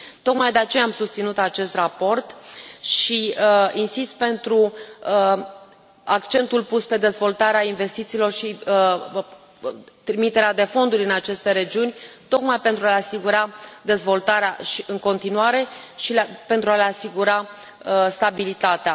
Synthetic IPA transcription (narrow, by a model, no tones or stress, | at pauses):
t̪o̞kmajd̪e̞at͡ʃe̞jaːmsust̪sinut̪at͡ʃe̞st̪rapo̞rt̪ʃiinsist̪̚pe̞nt̪ɾu | akt͡ʃe̞nt̪ulpuspe̞d̪e̞zvo̞lt̪aɾeainve̞st̪it̪siːlo̞rʃi | t̪ɾimit̪e̞ɾead̪e̞fo̞nd̪uɾʲɨnat͡ʃe̞st̪e̞ɾe̞d͡ʒiunʲt̪o̞kmajpe̞nt̪ɾualeasiɡuɾad̪e̞zvo̞lt̪aɾeaʃiʔɨŋko̞nt̪inuaɾe̞ | ʃilpent̪ɾualeasiɡuɾa | əst̪abilit̪at̪ea